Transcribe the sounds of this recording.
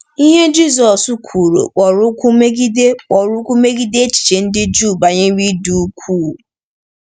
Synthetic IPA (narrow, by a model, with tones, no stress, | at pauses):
i˦ɦe˦d͡ʒi˦˨zɔ˨su˦kʷʰu˨ɾo̰˨k͡pɔ˨ɾʊ˦kʷu˦me˦ɡi˦de˦k͡pɔ˨ɾʊ˦kʷu˦me˦ɡi˦de˦t͡ʃi̥˨t͡ʃe˨n̩˦dɪ˦d͡ʒu˦˨ba˨ɲe˦wi˦du˨˦kʷʰu˦˨